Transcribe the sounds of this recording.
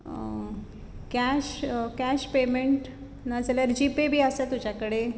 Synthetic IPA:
kæɕkæɕpemeɳʈ | nad͡zəljəɾd͡ʑipebʱiːəsat̪ud͡ʑakəɽe

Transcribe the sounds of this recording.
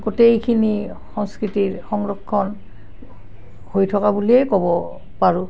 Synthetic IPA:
ɡotejkʰini | xɔŋskɹitiɹxɔŋɹɔkʰːɔn | hojtʰɔkabuliɛkɔbɔ | paɹu

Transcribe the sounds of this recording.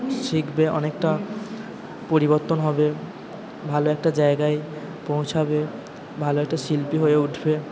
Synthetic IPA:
ʃikbeɔnekʈa | poɾiboɾt̪ːonɦɔbe | bʱaloɛk̚ʈad͡ʑaeɡae | põw̃t͡ɕʰabe | bʱaloɛk̚ʈaʃilpiɦoeuʈʰbe

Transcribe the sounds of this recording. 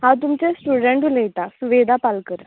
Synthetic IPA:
at̪̬umt͡ʃesʈuɖeɳʈulejʈːasuʋeːd̪apɐlkɯɾ

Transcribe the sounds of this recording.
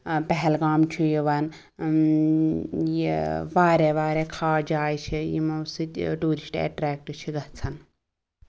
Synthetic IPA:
pɛɦɛlɡaːmt͡ʃʰujiʋɐn | jiʋaːɾeʋaːɾekʰaːd͡ʒaːjt͡ʃʰijḭmɐsɨt̪ʈuːɾisʈḛːʈɾeːk̚ʈt͡ʃʰiɡɐɦt͡sʰɐn

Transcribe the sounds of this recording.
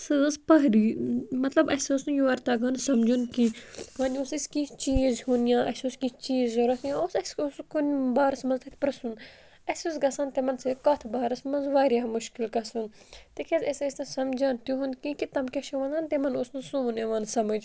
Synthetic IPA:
sɨspɐɦɾimɐt̪lɐbɐsosnɨjuɐɾt̪aɡɐnsɐmd͡ʒunkĩʋɐːnʲosisʲkit͡ʃiːzhunijãːʔɐsʲuskit͡ʃiːzoɾɐsjãːosɐsuskunʲbaːɾɐsmɐnzt̪ɐt̪ʰʲpɾɐsun | ɐsʲusɡɐsɐːnt̪emɐnsekɐt̪ʰbaːɾɐsmɐnzʋaːɾjaːmuʃkilkɐsun | t̪ikʰezʲɐsɐsʲnɐsɐmd͡ʒɐnt̪uɦund̪kĩkit̪ɐmkʲɐʃiʋɐnzaːnt̪emɐnosnɨsuneʋɐnsɐmɐd͡ʒ

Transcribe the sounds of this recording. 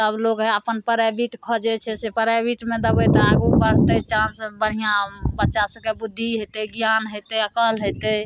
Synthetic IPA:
səbloɡɦɛəpənpəɾabiʈkʰɔd͡ʒɛt͡ʃʰɛsepəɾabiʈmed̪əbɛt̪aɡukəɾ̤t̪et͡ʃãnsbəɽ̤ijabətːʃasə̃kebud̪ʱːiɦet̪eɡjanɦet̪eəkəlɦot̪e

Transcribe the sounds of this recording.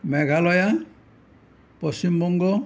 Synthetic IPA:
mɛɡalɔja | pɔsimːɔŋɡɔ

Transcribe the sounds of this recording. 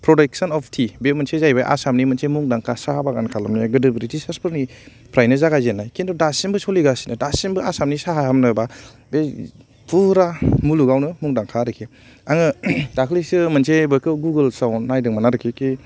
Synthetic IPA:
pʰɾɔdek̚sɔnɔpʰtʰibemɯnsʰezajbaʔa̰samnimɐnsemuŋdaŋkʰasahabaɡankʰalɯmniɡɯdɯbɾitisaspɯɾni | pʰɾajnɯzaɡazenːajkendɔdasimbɯsoliɡasi̥nɯdasinbɯasamnisaɦaɦamnɯba | be | pʰuɾamuluɡawnɯmuŋdaŋkʰaɾɯkʰe | aŋɯdakʰlisɯmɐnsʰebɯkɯɡuɡɯlsawnːajdɯŋmanaɾɯkʰeke

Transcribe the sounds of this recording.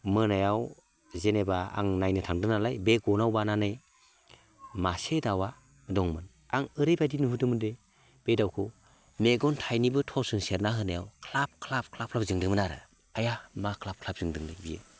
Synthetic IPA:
mɯnajaw | zenebaa̰ŋnajnɯtʰaŋdɯnalajbeɡɔnawbananɯj | masedawa | dɔŋmɯn | aŋɯɾɯjbadinhudɯmɯnde | b̥ejdawkʰɯ | meɡɔntʰajnibɯtʰɔsɯŋseɾnaɦɯnajawkʰlap̚kʰlap̚kʰlap̚ʰlap̚zɯŋdɯŋmɯnaɾɯ̰ | ajamakʰlap̚kʰlap̚zɯŋdɯŋdɯbijɯ

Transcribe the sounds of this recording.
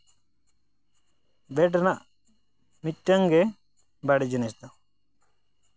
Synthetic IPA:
bɛʈnaʔ | miʈːaŋɡɛ | baɽɛd͡ʒɛnɛst̪a

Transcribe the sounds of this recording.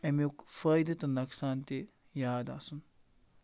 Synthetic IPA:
ɐmekfɐjd̪ɐt̪ɐnɐksaːnt̪e | jaːd̪a̰sun

